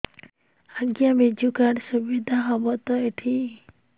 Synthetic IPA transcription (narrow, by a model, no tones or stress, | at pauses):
aɡjamed͡ʒukaɽsubid̪ʱaɦɔbɔt̪ɔeʈʰi